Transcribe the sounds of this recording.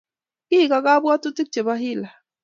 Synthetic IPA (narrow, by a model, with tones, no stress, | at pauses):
ki˦˨ka˨ka˦bwa˦tu˦ti˦k̚t͡ʃɛ˨βa˦ɦi˦la˨